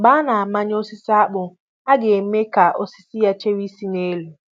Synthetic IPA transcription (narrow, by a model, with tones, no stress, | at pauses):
baː˦na˨a˨ma˦ɲ˦o˦sɪ˦sa˦ɓʊ˨ | a˦ɡɪ˨˦me˦ka˨ʔo˦si˦si˦ja˦t͡ʃe˦wi˦si˦ne˦lu˨